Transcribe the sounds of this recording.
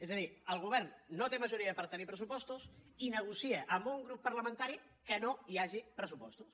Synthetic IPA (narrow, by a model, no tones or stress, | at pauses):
ezəðiəlˠɣ̞uβɛrnːot̪eməʒuɾiəpəɾt̪ənipɾəsupɔst̪usinəɣ̞usiəʔəmbuŋɡɾupːəɾləmə̃nt̪aɾi | kənoiaʒipɾəsupɔst̪us